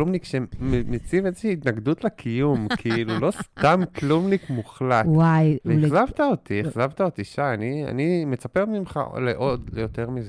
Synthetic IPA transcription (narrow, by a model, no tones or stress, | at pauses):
lumnikʃememet͡sivezeʃiːt̪naɡd̪ut̪lekʰijumkʰiilulo̞st̪amklumnikmuχlatwajveeχzavt̪aot̪ieχzavt̪aot̪iʃaːnia̰nimet͡sapeʁmimχa̰leʔo̞d̪lejo̞t̪e̞ʁmize